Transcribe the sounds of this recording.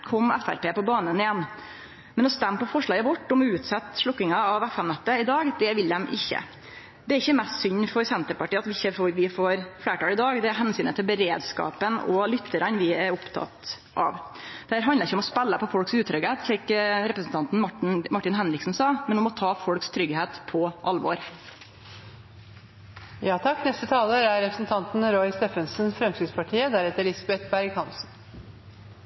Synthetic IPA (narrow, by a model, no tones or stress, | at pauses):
kʰɔmɛfæ̰ɾpeːpɔbɑːnənɪjɛnː | mɛnɔst̪ɛmːpɔfɔʂɭɑːɡəʋɔʈːɔmʉːt̪sɛt̪ːʂɭɔkːɪŋɑɑʋɛfɛmnɛt̪ːəɪd̪ɑːɡd̪ɛʋɪld̪ɛmʔɪ̰çːə̰ | d̪ɛæɾɪçːəmɛst̪sʏnːfɔɾsɛnt̪əɾpɑʈiːɑt̪ʋɪɪçːəfɔɾʋɪfoːɾfɽæːʈɑːlɪd̪ɑːɡd̪ɛæɾɦɛnsyːnət̪ʰɪlbəɾeːd̪skɑ̰ːpənɔ̰lʏt̪ʰːəɾɑnʋɪæɾʊpt̪ʰɑ̰t̪ | ʔɑ̰ʋ | d̪̥ɛhæːɾɦɑnd̪əɾɪçːəɔmɔspɛlːəpɔfɔlksʉːt̪ʰːɾʏɡeːt̪çɛkɾɛpɾəsn̩t̪ʰɑnt̪n̩mɑʈːɪnɦɛnɾɪksn̩sɑmɛnɔmɔt̪ʰɑːfɔlkst̪ʰɾʏɡheːt̪pʰɔʔɑlːʋo̰ːɾ | jɑːt̪ʰɑkːnɛst̪ət̪ʰɑːləɾæɾɾɛpɾəsn̩t̪ʰɑnt̪n̩ɾɔɪst̪ɛfənsnfɾɛmsɪt̪spɑʈʰiːəd̪æɾɛt̪ːəɾɭɪsɑbɛt̪bæɾɡhɑnsn̩